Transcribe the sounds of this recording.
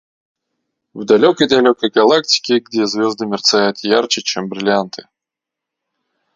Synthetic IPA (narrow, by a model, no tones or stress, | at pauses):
vd̪ɐlʲokəjd̪ɐlʲokəjɡɐlˠak̚tʲɪ̥kʲɪɡdʲezvʲozd̪ɨmʲɪrt̪sajʊt̪jart͡ɕɪt͡ɕembɾʲɪlʲant̪ʰɨ̥